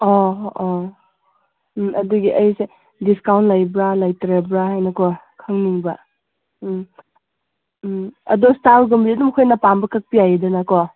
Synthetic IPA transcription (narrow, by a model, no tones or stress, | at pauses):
ɔ | ʔɐduɡiʔɐjse | diskawntlajbɾalajtɾebɾahajnɐkɔ | kʰɐŋniŋbɐ̰ | ɐ̰dɔstaɾɡɐmbiɐdumkʰojnapambɐkʰɐk̚pijajidɐnakɔ